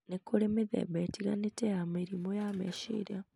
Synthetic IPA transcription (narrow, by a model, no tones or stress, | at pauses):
nekoɾemeðḛβetiɣa̰neteamiɾimojameʃḭɾa